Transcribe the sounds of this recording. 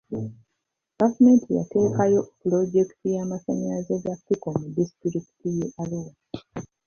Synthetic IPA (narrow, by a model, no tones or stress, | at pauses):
ɡ̥avume̞ːntija̰te̞ːkajo̞pulo̞ɟe̞ki̥tijamasaɲaazeɡafikomudistɾiki̥tijeʔaloːi